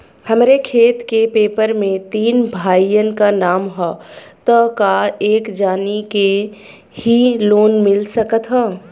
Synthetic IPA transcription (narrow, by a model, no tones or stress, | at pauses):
həmɾekʰeːt̪kepeːpəɾmẽt̪iːnbʱaːijənkanaːmɦɔt̪əkaeːkd͡ʒaːnike | hiloːnmɪlsəkət̪ɦə